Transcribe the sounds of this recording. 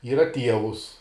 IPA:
ˈiːrɐ ˈtʲiɛʋʊs

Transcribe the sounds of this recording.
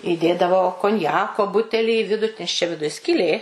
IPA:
iːˈdʲeːdɐʋoː koːnʲˈjæːkoː ˈbʊtʲɛlʲiː iː ˈʋʲɪdʊ nʲɛs t͡ʃʲɛ ʋʲɪˈdʊj sʲkʲiːˈlʲeː

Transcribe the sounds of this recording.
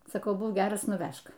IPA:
sɐˈkɐʊ ˈbuːk ˈɡʲæːrɐs nʊˈʋʲæʃk

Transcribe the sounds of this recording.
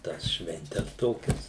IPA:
ˈtɑːs ʃʲʋʲɛnʲˈtʲɛs ˈtoːkʲɛs

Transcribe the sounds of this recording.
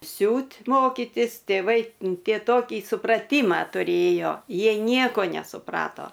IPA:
ˈsʲuːtʲ ˈmoːkʲɪtʲɪs tʲeːˈʋɐɪ ˈtʲiɛ ˈtoːkʲiː sʊprɐˈtʲiːmɑː tʊˈrʲeːjoː ˈjiɛj ˈnʲiɛkoː nʲɛsʊˈprɑːtoː

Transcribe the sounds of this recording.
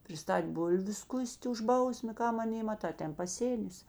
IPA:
pʲrʲɪˈstɐtʲ ˈbʊlʲʋʲʊ ˈskʊsʲtʲ ʊʃ ˈbɐʊsʲmʲeː ˈkɐm ɐˈnʲeː mɐˈtɐ ˈtʲɛn pɐˈsʲeːnʲɪs

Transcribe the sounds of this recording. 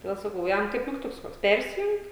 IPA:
toːˈdʲeːlˠ sɐˈkɐʊ ˈjɛm kɐɪp mʲɪkˈtʊks ˈkoːks ˈpʲɛrʲsʲɪjʊŋk

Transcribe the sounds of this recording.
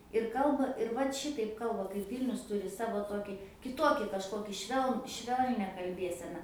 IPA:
ɪr ˈkɐlˠbɐ ɪr ˈʋɐt ˈʃʲɪtɐɪp ˈkɐlˠbɐ kɐɪp ˈʋʲiːlʲnʲʊs ˈtuːrʲɪ ˈsɑːʋoː ˈtoːkʲɪ kʲɪˈtoːkʲɪ kɐʃˈkoːkʲɪ ˈʃʲʋʲɛlˠn ˈʃʲʋʲɛlʲnʲɛ kɐlʲˈbʲeːsʲɛnɐ

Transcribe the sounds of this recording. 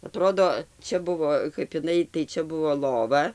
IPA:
ɐˈtroːdoː ˈt͡ʃʲɛ ˈbʊʋoː kɐp ɪˈnɐɪ tɐɪ ˈt͡ʃʲɛ ˈbʊʋoː ˈlˠoːʋɐ

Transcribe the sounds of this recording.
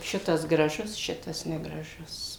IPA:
ˈʃʲɪtɐs ɡrɐˈʒʊs ˈʃʲɪtɐs nʲɛɡrɐˈʒʊs

